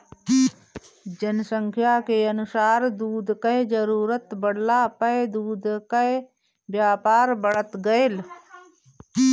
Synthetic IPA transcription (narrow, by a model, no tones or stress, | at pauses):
d͡ʒənsə̃ŋkʰjakeənʊsaːɾd̪uːd̪kaed͡ʒəɾuːɾət̪bəɽ̤lapəed̪uːd̪kae | bjaːpaːɾbəɽət̪ɡəel